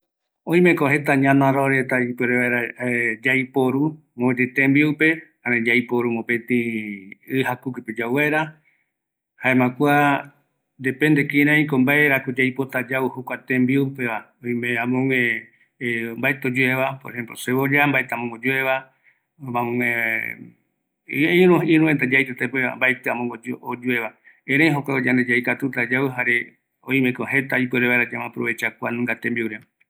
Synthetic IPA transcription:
õj̃mẽkoɦe̞t̪aɲãnãɾoɾet̪aipweɾeβaeɾad͡ʒajpoɾu | mõt̪et̪ẽmbiuwpe̞ | ãɾẽd͡ʒajpoɾumõpet̪ĩ | ɨhakukɨped͡ʒawβaeɾa | haẽmãkʷa | d̪epend̪ekiɾ̃ãĩkombaeɾakod͡ʒajpot̪ad͡ʒauhokʷat̪ẽmbiopeβa | õj̃mẽãmõŋẽ | mbaet̪od͡ʒueβapoɾʔehẽ̞mploseβod͡ʒambaet̪amõŋɡod͡ʒueβa | mãmõŋẽ | ĩɾũĩɾũent̪ad͡ʒajt̪et̪apeβa̰mbaet̪eamõŋɡod͡ʒod͡ʒue̞βa | ẽɾ̃ẽj̃ɦokʷaod͡ʒand̪ed͡ʒajkat̪ut̪ad͡ʒawɨɦaɾe̞ | õĩmẽkoɦe̞t̪aipeɾeβaeɾad͡ʒamãpɾo̰βe̞t͡ʃakʷanũŋɡat̪embiuɾe

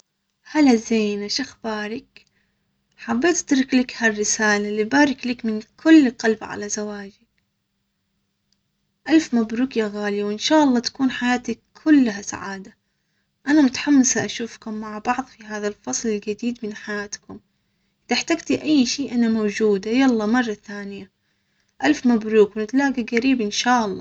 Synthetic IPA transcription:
halazejnaʃɪxbaːɾɪk | ħabːeːt̪t̪ɾˤɪklɪkharːɪsaːlalːibaːɾɪklɪkmɪnkʰʊlːɪlqɑlbʕa̰lazawaːd͡ʒɪk | ʔalfmabɾuːkjaɣaːliwʔɪnʃaːʔɑlˤːɑːt̪ḁkuːnħajaːt̪akʰːʊlːɦasa̰ʕaːd̪a | ʔanamʊt̪ḁħamːasaʔaʃuːfkʊmːaʕbɑʕðˤfiɦaːðalfɑsˤlɪlɡad̪iːd̪mɪnħajaːt̪kʊm | t̪aħt̪aɡt̪iʔajːʃiːʔanamawd͡ʒuːd̪ajalˤːɑːmɑrˤːɑθaːnɪja | ʔalfmabɾuːkwnɪt̪laːɡaɡaɾiːbʔɪnʃaːʔɑlˤːɑ̰ː

